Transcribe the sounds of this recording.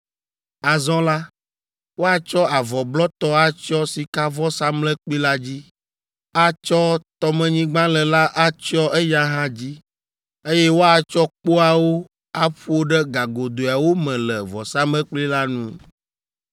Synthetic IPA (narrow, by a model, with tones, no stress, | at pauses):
a˨zɔ̃˦la˦ | wo˦a˦t͡ʃɔ˦a˨vɔ˨blɔ˦t̪ɔ˦a˦t͡ʃɔ˦si˨ka˦vɔ˦sa˦mlɛ˦k͡pi˦la˦d͡ʑi˦ | a˦t͡ʃɔ˦t̪ɔ˨mɛ̃˨ɲĩ˦ɡ͡bã˦lɛ˨la˦ʔa˦t͡ʃɔ˦ʔɛ˦ja˦ɦã˦d͡ʑi˦ | e˦jɛ˦wo˦a˨t͡ʃɔ˦k͡po˦a˨wo˦ | a˦ɸu˦o˦ɖɛ˦ɡa˨ɡo˨d̪o˨a˨wo˦mɛ̃˨lɛ˨vɔ˨sa˦mlɛ˦k͡pli˦la˦nṵ̃˦